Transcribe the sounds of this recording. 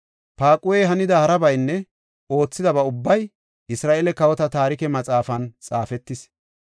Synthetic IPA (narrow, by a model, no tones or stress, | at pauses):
paːkʼʊwɛɦɐnɪd̪ɐhɐɾɐbɐjnːɛ | o̞ːt͡sːɪd̪ɐbɐʊbːɐj | ʔɪsɾaːʔeːlɛkɐwɔt̪ɐt̪aːɾɪkɛmɐt͡sʼaːfɐnt͡sʼaːfɛt̪ːɪs